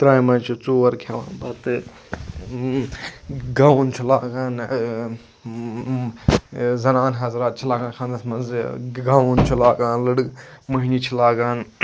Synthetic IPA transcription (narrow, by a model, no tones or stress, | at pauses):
t̪ɾaːjmɐnt͡ʃʰut͡suːʋɐɾkʰaʋa̰ːnbɐt̪ɨ | ɡaːwnt͡ʃʰulaːɡaːn | zɐnaːnɦɐzɾaːt̪̚t͡ʃʰilaːɡaːnkʰãːnd̪ɐsmɐnzɡawunt͡ʃʰulaːɡaːnlɨɽmɐɦinit͡ʃʰilaːɡaːn